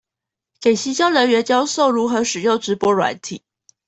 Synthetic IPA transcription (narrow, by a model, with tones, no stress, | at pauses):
ke˨˩ɪɕi˧˥t͡ɕjɑ˥ʊlə˧˥nɥɛ˧˥t͡ɕjɑ˥ʊso˥˩ʊɻu˧˥xɤ˧˥ʂɻ̩˨˩jo˥˩ʊʈ͡ʂɻ̩˧˥pwɔ˧˥ɻwa̰˧˥nt̪ʰḭ˨˩˦